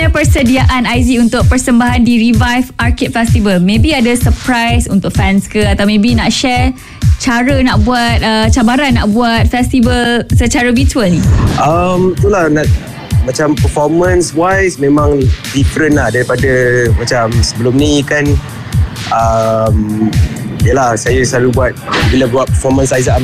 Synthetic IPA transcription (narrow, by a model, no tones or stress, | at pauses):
apərsədiaʔanajziunt̪ʊk̚pərsəmbaɦandiɾivajfarkit̪̚fɛst̪ivəlmẽbiadasəpɾajsunt̪ʊk̚fɛnskəat̪awmẽbinaʔʃɛr | t͡ʃaɾənaʔbuat̪̚ət͡ʃabaɾanːaʔbuat̪̚fɛst̪ivəlsət͡ʃaɾəbituəlniʔəmit̪ulahnat̚ | mat͡ʃampəfɔmə̃nswajsmẽmãŋdifəɾənlahdaɾipadəmat͡ʃamsəbəlʊmnikan | ʔəm | ijəlahsajasaɾubuat̪̚bilabuat̪̚pəfɔmə̃nsaza